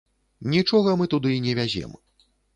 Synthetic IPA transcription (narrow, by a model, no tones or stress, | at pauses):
nʲit͡ʂɔɣɐmɨt̪ud̪ɨinʲɛvʲazʲɛ̰m